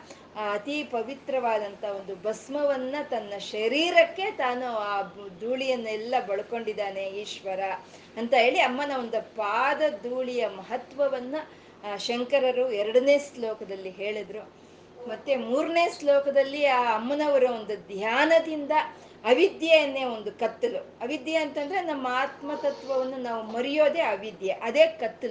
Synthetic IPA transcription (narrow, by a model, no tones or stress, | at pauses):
ɐt̪ipɐʋit̪ɾɐʋaːd̪ɐnt̪ɐo̞nd̪ubɐsmɐʋɐnːɐt̪ɐnːɐʃɐɾiːɾɐkːe̞t̪aːnuaːd̪uːɭijɐnːɐɛlːɐbɐɭɐko̞ɳɖid̪ːaːne̞iːʃʋɐɾɐ | ɐnt̪ɐɦe̞ːɭiɐmːɐnɐond̪ɐpaːd̪ɐd̪uːɭijɐmɐɦɐt̪ʋɐʋɐnːɐ | ʃɐŋkɐɾɐɾuɛɾɐɽɐne̞ːslɔːkɐd̪ɐlːiɦe̞ːɭid̪ɾu | mɐt̪ːemuːɾne̞ːslɔːkɐd̪ɐlːiaːɐmːɐnɐʋɐɾɐond̪ud̪ʱjaːnɐd̪ind̪ɐː | ʋid̪jɐjɐnːeːo̞nd̪ukɐt̪ːuluɐʋid̪jɐɐnt̪ɐnd̪ɐɾenɐmːɐaːt̪mɐt̪ɐt̪ʋɐʋɐnːunaːʋumɐɾijo̞ːd̪e̞ːɐʋid̪jɐʔɐd̪e̞ːkɐt̪ːulu